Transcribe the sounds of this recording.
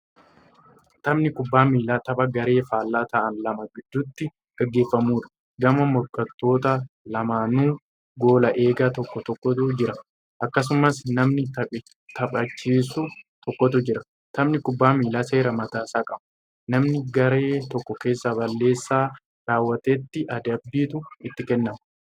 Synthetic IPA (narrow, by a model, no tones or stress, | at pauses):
t̪ɐmnɪkʊbːaːmiːlaːt̪ɐbɐɡɐɾe̞ːfaːlːaːt̪ɐʔɐnlɐmɐɡɪd̪ːʊt̪ːɪ | ɡ̥ɐɡːe̞ːfːɐmuːᶑɐ̥ | ɡɐmɐmɔɾkɐt̪ːo̞ːt̪ɐlɐmaːnuː | ɡo̞ːlɐʔe̞ːɡat̪ɔkːɔt̪ɔkːɔt̪ʊd͡ʒɪɾɐ | ʔɐkːɐs̬ʊmɐsnɐmnɪt̪ɐɪ | t̪ɐpʼɐt͡ʃːiːsʊt̪ʰɔkːɔt̪ʊd͡ʒɪɾɐ̥ | t̪ʰɐmnɪkʊbːaːmiːlaːse̞ːɾɐmɐt̪aːsaːkʼɐm̥ʊ | nɐmnɪɡɐɾe̞ːt̪ɔkːɔke̞ːsːabɐlːe̞ːsːaː | ɾaːwːɐt̪eːt̪ːɪʔɐd̪ɐbːiːt̪ʊɪt̪ːɪkɛnːɐm